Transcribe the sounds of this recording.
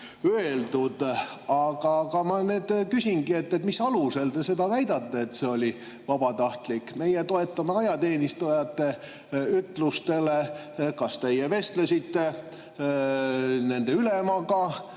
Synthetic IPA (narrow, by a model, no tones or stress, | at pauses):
øeld̪ud̪̥ɑɡ̥ɑɡɑmɑne̞ːd̪̥kysʲinɡie̞t̪ːet̪misɑluse̞ld̪e̞se̞d̪ɑvæjd̪̥ɑt̪ːeet̪se̞o̞lʲi | vɑb̥ɑt̪ɑht̪likːme̞jet̪o̞e̞t̪ːɑmeɑjɑt̪e̞ːnist̪ujɑt̪ːe̞ | yt̪ːˑlust̪e̞le̞ | kɑst̪e̞jeve̞st̪lesit̪ːe̞ | ne̞nd̪e̞ylemɑɡɑ